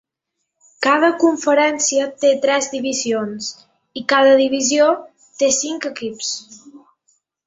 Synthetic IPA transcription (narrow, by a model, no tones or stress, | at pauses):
kað̞əkuɱfəɾɛnsiət̪et̪ɾɛzd̪iβizions | ikaðəðiβizio | t̪esiŋkəkips